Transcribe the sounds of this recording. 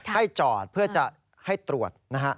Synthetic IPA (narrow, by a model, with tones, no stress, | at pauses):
a˥˩jt͡ɕɔː˨˩t̪̚pʰɯ˥˩ɐt͡ɕa˨˩ʔ | ha˥˩jt̪ɾu˨˩ət̪̚na˦˥kʰa˦˥ʔ